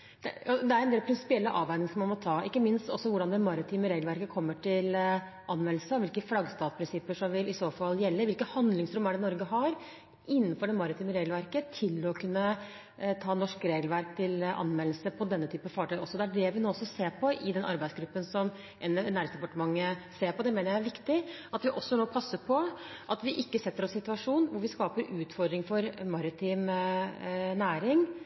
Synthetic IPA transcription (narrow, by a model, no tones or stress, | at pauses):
d̪̥ɛɑd̪ɛæɾɛneːlpʰɾɪnsɪ̥pɪɛlːəʔɑːʋæɪnɪŋsɔmɑnmɔt̪ʰɑːʔɪkːəmɪnst̪ɔsːɔʋʊɖɑnd̪ɛmɑɾɪt̪ʰiːməɾeːɡlʋæɾkəkʰɔmːəʈʰɪl | ʔɑnʋɛnsəɔʋɪlkəflɑɡst̪ɑːt̪spɾɪnsɪpːəʂɔmʋɪlɪsoːfɑlːjɛlːəʋɪlkəhɑnd̪lɪŋsɾʉmːæɖɛnɔɾɡəɦɑɾ | ɪnːənfɔɖɛmɑɾɪt̪ʰiːməɾeːɡlʋæɾkət̪ʰɪlɔkʰʉnːə | t̪ʰɑːnɔʂkɾeːɡlʋæɾkt̪ʰɪlɑ̰nmɛl̩səpʰɔd̪ɛnːət̪ʰyːpəfɑʈʰœʏɔsːɔd̪ɛæɖɛʋɪnoːɔsːɔseːɾpʰɔʔɪd̪ɛnʔɑ̰ɾbæɪsɡɾʉpːənsɔm | ʔɛnæːɾɪŋsd̪ɛpɑʈəmɑŋːəseːɾpɔd̪ɛmeːnəɾjæɪæɾʋɪkt̪ɪɑt̪ʋɪʔɔsːɔnoːpʰɑsːəpʰɔ | ʔɑt̪ʋɪʔɪkːəsɛt̪ːəɾɔssɪt̪ʉɑʂuːnʋʊɾʋɪskɑːpəɾʉːt̪fɔɾd̪ɾɪŋfɔɾmɑɾɪt̪ʰiːm | næːɾɪŋ